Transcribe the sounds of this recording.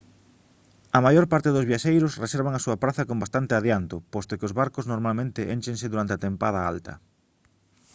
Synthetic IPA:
ɐmajoɾpaɾt̪eðʊzβjaʃejɾʊsreseɾβ̞aŋɐsuɐpɾaθɐkombast̪ant̪eaðjant̪opɔst̪okeozβaɾkoznoɾmalmẽnt̪ɪʔḛnt͡ʃẽŋsɪðuɾant̪eat̪empað̞ɐa̰lt̪ɐ̰

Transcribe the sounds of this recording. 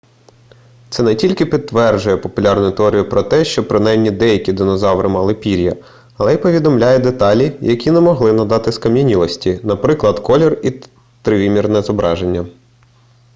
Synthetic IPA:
t̪sɛnɛtʲilʲkɪpʲid̪̚t̪ːʋɛrd͡ʒʊjɛpɔpʊlʲɑrnʊjʊt̪eɔɾʲijʊpɾɔt̪ɛʃt͡ʃɔpɾɪnɑjmnʲid̪ɛjɐkʲid̪ɔnɔzɑʋɾɪmɑlˠɪpʲiɾʲjɐ | ɐlˠɛjipɔʋʲid̪ɔmlʲajɛd̪et̪ɑlʲijɐkʲinɛmɔɦlˠɪnɐd̪ɑt̪ɪskɐmʲjɐnʲilˠɔsʲtʲinɐpɾɪklˠɐd̪kɔlʲɔri | t̪ɾɪʋʲimʲirnɛzɔbɾɑʒe̞nʲːɐ

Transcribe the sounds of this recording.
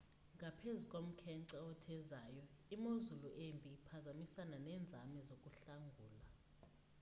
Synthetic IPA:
ŋɡʱapʰezukʼom̩kʰɛǀɛɔtʰɛzaːjɔimozuluʔempʼiːpʰazamisananɛːnd͡zʱamɛzokʼuɬaŋɡʱuːla

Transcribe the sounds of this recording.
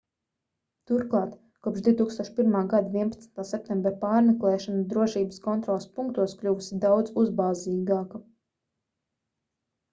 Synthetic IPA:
t̪uɾklˠɑːt̪ | kuɔpʃd̪iut̪uːkst̪uɔʃpiɾmaːɡad̪aviɛnpat̪snt̪aːsɛp̚t̪ɛ̃mbɾapaːɾmɛklˠɛːʃanad̪ɾuɔʃiːbəskɔnt̪ɾɔːlˠspuŋk̚t̪uɔsklʲuvusid̪awd̪zuzbaːziːɡaːka

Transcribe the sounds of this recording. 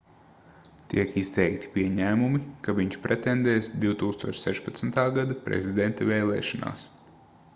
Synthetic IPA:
t̪iɛkist̪ɛjkt̪i̥piɛɲæːmumikaʋiɲt͡ʃpɾʔɛt̪ɛnd̪ɛːsd̪iwt̪uːkst̪uɔt͡ʃsɛʃpɐt̪sn̩t̪aːɡad̪apɾɛ̰zʲid̪ɛnt̪avɛːlˠɛ̰ːʃɔna̰ːs

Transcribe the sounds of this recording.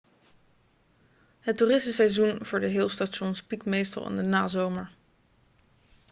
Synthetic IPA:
ɦətːuːrɪsməsɛjzunv̥ʊːɹdəɦɪːlˠstaʃɔnspikmejstə̰lˠɪ̰ndənaːzowməɹ

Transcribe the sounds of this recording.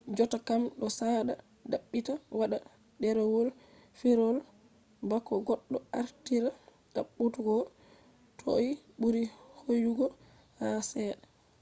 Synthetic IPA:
d͡ʒɔtakamɗɔsaɗa | daɓːitawaɗa | dɛɾɛwol | fiɾɔl | bakːɔɡɔɗːɔaɾtiɾa | ɗaɓːutuɡɔ | tʰo̰i | buɾihojuɡɔ | hasɛːɗɛ

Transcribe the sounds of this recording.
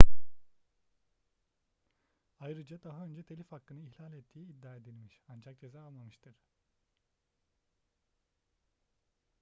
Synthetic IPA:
ajɾɯd͡ʒad̪aɦaø̞nd͡ʒɛt̪ʰelʲifhakːɯnɯiçlʲalʲɛt̪ʰːiːid̪ːaːe̞d̪ilʲmiʃand͡ʒak̚d͡ʒezaːalˠmamɯʃt̪ʰɯɾ̥

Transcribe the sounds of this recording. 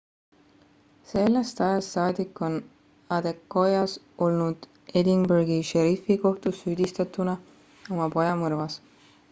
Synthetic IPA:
se̞lːest̪ɑjɑst̪ːɑːd̪ikːˑo̞n | ɑd̪̥e̞kːo̞jɑs | o̞lnud̪̥ | e̞d̪iŋberɡiʃeɾifiko̞ht̪usːyːd̪̥ʲist̪ɑt̪ːˑunɑ | o̞mɑpo̞jɑmɤrvɑs

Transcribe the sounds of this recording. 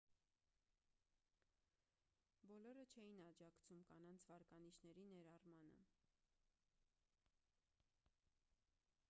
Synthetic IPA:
bɔlɔɾət͡ʃʰɛjinɑd͡ʒɑkt͡sʰumkɑnɑnt͡sʰvɑɾkɑniʃnɛɾinɛɾɑrmɑnə̰

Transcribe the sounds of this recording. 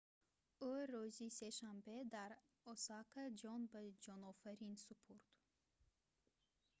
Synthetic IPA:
oɾuziseʃambed̪aɾ | ɔsakʰad͡ʒɔnbəd͡ʒɔnɔfæɾinsupʰuɾt̪

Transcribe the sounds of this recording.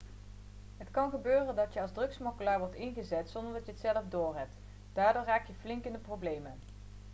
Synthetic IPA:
ɦətkɑnχəbøːrəndɑtjəɑlˠzdrɵksmokəlaːɹʋɔɹtɪnχəzɛtsɔndəɹdɑtjəətsɛləvdʊːɹrɦɛp̚t | d̥aːɹdoːɹraːk̚jəvlɪŋkɪndəprowblejmən

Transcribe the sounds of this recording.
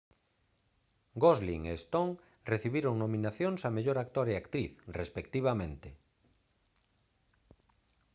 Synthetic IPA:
ɡozlḭŋest̪oŋ | reθiβiɾoŋnomĩnaθjoŋsameʎoɾakt̪oɾeakt̪ɾiθrespek̚t̪iβ̞amẽnt̪e

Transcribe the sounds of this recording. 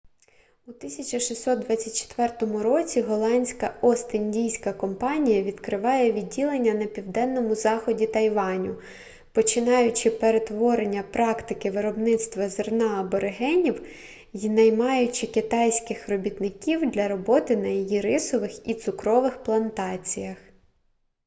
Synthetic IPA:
ut̪ɪsʲɐt͡ʃɐʃisːɔt̪̚d̪ʋɑt͡sʲːɐt̚ʲt͡ʃe̥t̪ʋɛrt̪ɔmʊɾɔt͡sʲiɦɔlˠɑnʲsʲkɐɔst̪ɪnʲdʲijsʲkɐkɔmpɑnʲijɐʋʲid̪kɾɪʋɑjɛʋʲidʲːilˠenʲːɐnɐpʲiwd̪ɛnːɔmʊzɑxɔdʲit̪ɐjʋɑnʲʊ | pɔt͡ʃɪnɑjʊt͡ʃɪpeɾe̞t̪ʋɔɾenʲːɐpɾɑkt̪ɪkɪʋɪɾɔbnɪt̪st̪ʋɐzernɑɐbɔɾeɦɛnʲiw | jnɐjmɑjʊt͡ʃɪkɪt̪ɑjsʲkɪxrɔbʲit̪nɪkʲiwd̪lʲɐɾɔbɔt̪ɪnɐjijiɾɪsɔʋɪxit̪sʊkɾɔʋɪxplˠɐnt̪ɑt͡sʲijɐx

